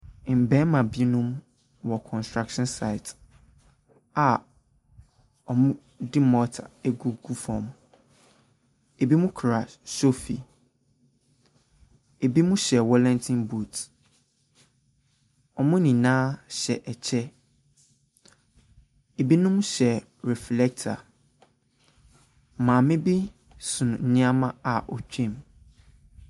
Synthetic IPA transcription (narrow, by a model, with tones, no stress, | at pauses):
m̩˨bɛ̃˦mã˨bi˦nũ˦m | wɔ˨kʰɔ̃˨nstɾa˦kʃɔ̃˦nsa˨ɪ˨t | a˨ | ɔ˨mʊ̃˦ | dɪ˦mɔ˦tʰa̰˨ɛ˦ɡu˦ɡu˦fɔ̰̃˨m | e˨bi˦mũ˦kʰɾa˨sso˦fi˨ | e˨bi˦mũ˦ɕɛ˨wɔ˦lɛ̃˦ntʰĩ˦nbu˨t | ɔ˨mʊ̃˦nĩ˨nãː˦ɕɛ˨ʔɛ˨t͡ɕʰɛ˦ | e˨bi˦nʊ̃˦m˦ɕɛ˨ | ɾɛ˨flɛ˦k̚tʰa̰˨ | mã˨mɪ̃˦bi˦ | sʊ̃˨ñ̩˨ɲɪ̃˦a˦mã˦a˨ʔɔ˨t͡ɕᶣɛ̃˦˨m